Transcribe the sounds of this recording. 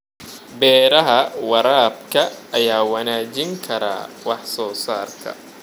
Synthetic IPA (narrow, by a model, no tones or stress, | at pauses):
bɛːɾɐɦɐwɑɾaːbkʰɐɐjaːwɑnaːt͡ʃɪŋkʰɐɾa̰ːwɑħsɔːsaːrkʰɐ̰